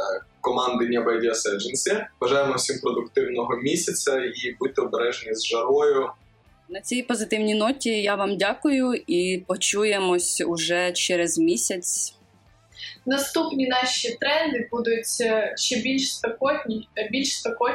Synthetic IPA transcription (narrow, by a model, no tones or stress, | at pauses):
kɔmɑnd̪ɪnʲːɐbɛjd̪ʲiɐsɛd͡ʒenʲsʲiʋɐʒɑjemɔwsʲimpɾɔd̪ʊkt̪ɪwnɔɦɔmʲisʲɐt͡sʲɐibut̪ɪɔbeɾɛʒenʲizʒɐɾɔjʊ | nɐt͡sʲijpɔzɪt̪ɪwnʲinɔtʲijaʋɑmdʲakʊjʊipɔt͡ʃujemɔsʲʊʒɛt͡ʃɛɾɛzmʲisʲɐt͡sʲ | nɐst̪upnʲinɑʃit̪ɾɛnd̪ɪbud̪ʊtʲʃt͡ʃɛbʲilʲʃst̪ɔkɔnʲbʲilʲʃst̪ɔkɔ